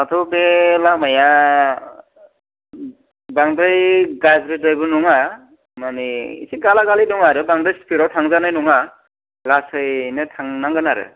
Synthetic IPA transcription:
at̪ʰɔbelamaja | baŋdɯjɡazɾedajbɯnuŋa | maniḭsʰiɡalaɡalidɔŋaɾɯbaŋdɯjspiɾɔwtʰaŋzanajnuŋa | lasɯjnɯtʰaŋnaŋɡɯnaɾɯ̰

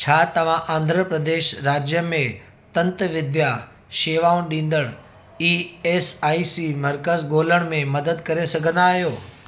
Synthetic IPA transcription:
t͡ɕʰaːt̪ɐʋ̤ãʔãːnd̪ʱɾəpɾəd̪eːʃɾaːd͡ʑjəmẽ | t̪ɐ̃nt̪ʋɪd̪ja | ʃeːʋaːũnɗĩːnd̪əɽ̃ | iːeːsaːisimɐɾkəzɡoːləɽ̃mẽmɐd̪əd̪̚kɐɾesɐɡʱə̃nd̪aːɦijoː

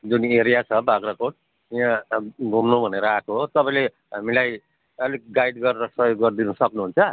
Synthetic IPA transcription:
d͡zuneɾijat͡sʰʌbʱaɡrɾʌkoʈ | iãɡʱumnubʱʌneɾʌakoɦt̪ʌpãĩle | ɦamilaj | ʌlikɡajɖɡʌɾeɾʌsʌjoɡːʌrd̪inusʌknuɦunt͡sʰʌ

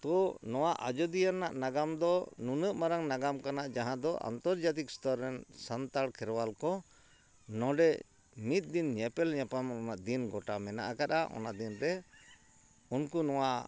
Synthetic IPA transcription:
t̪ɔnɔwaʔa̰d͡ʒɔd̪ijanːaʔnaɡamd̪ɔnunəʔmaɾaŋnaɡamkanaʔd͡ʒaɦãd̪ɔʔa̰nt̪ɔɾd͡ʒat̪̬ikst̪ɔɾːɛnsant̪aɽkʰɛɾwalkɔ | nɔ̃ɖɛ | mit̪̚ˀd̪inɲɛpɛlɲɛpamɔnaʔd̪inɡɔʈamɛna̰ʔakat̪aʔɔ̰nad̪inɾɛ | unkunɔwa

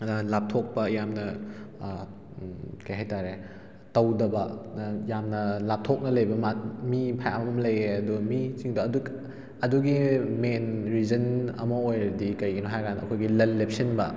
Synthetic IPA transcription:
lap̚tʰok̚pɐjamnɐ | kɐjɦajtaɾe | tɐwdɐbɐjamnɐlap̚tʰok̚nɐlɐjbɐmat̚mipʰajamɐmɐmɐlɐjeɐdumit͡ʃiŋduɐdu | ɐduɡimenɾid͡ʒɐnɐ̰mɐojɾɐdikɐjɡinoɦajɡanɐkʰojɡilɐlːep̚sinbɐ

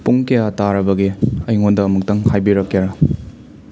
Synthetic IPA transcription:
puŋkejataɾɐbɐɡiɐjŋondɐːmuk̚tɐŋhajbiɾɐkːjaɾɐ

